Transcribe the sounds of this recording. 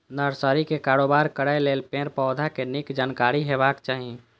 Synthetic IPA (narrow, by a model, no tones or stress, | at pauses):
nəɾsəɾikekaːɾoːbaːɾkəɽajleːlpẽːɾpɔːd̪ʱakenɪkd͡ʒaːnkaːɾiɦeːbaːkt͡ʃaːɦiẽ